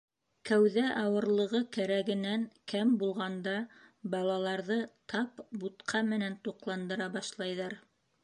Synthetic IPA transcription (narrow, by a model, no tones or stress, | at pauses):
kæwðæʔɑwɤ̆ɾlˠɤ̆ʁɤkæɾæɡɘ̆næŋkæmbulˠʁɑnd̪ɑbɑlˠɑlˠɑɾðɤt̪ʰɑpbut̪qʰɑmɘ̆nænt̪uqlˠɑnd̪ɤ̆ɾɑbɑʃlˠɑjðɑɾ